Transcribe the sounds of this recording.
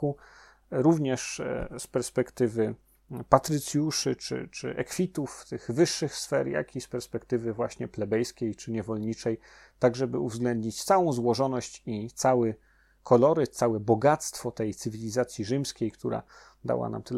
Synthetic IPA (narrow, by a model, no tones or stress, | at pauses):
u | ɾuvɲɛʂspɛɾspɛkt̪ɘvɘ | pat̪ɾɘt̪sʲjuʂɘt͡ʂɘ̰t͡ʂɘ̰ʔɛ̰kfʲit̪uft̪ɘɣvɘʂːɘxsfɛɾja̰kʲispɛɾspɛkt̪ɘvɘvwaɕɲɛplɛbɛjskʲejt͡ʂɘɲɛvɔlɲit͡ʂɛj | t̪aɡʐɛbɘuvzɡlɛnd̪ɲit͡ɕt̪sawɔ̃w̃zwɔʐɔnɔɕt͡ɕit̪sawɘ | kʰɔlɔɾɘt̪sawɛbɔɡat̪st̪fɔt̪ɛjt̪sɘvʲilʲizat̪sʲjiʐɘmskʲejkt̪uɾa̰ | d̪a̰wa̰na̰mt̪ɘ